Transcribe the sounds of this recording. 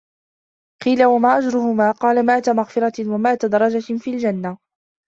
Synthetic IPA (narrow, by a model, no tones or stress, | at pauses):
qiːlawamaːʔad͡ʒɾʊhʊmaːqɑːlamaːt̪amaɣfɪɾˤɑtwamaːt̪ad̪ɑɾˤɑd͡ʒafiːld͡ʒanːa